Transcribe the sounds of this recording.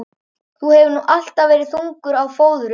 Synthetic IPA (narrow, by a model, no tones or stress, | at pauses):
θuhɛvʏnuʔal̥t̪avːɛːɾɪðθuŋkʏɾawfoːwðʏɾʏ